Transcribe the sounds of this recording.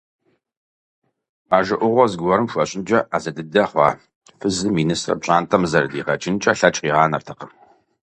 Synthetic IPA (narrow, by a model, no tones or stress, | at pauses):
aːʒɨʔʷʊʁʷɔzɡʷɐɾɨmʃʷɐɕʼɪnd͡ʒʼɐʔaːzɐdɨdɐχʷɑ̰ː | fɨzɨminɨsrɐ̰ɕʼaːntʰɐmzɐrdiːʁɐt͡ʃʰʼɪnt͡ʃʼɐːɬɐt͡ʃʼqiːʁɑːnɐrtʰɐqəm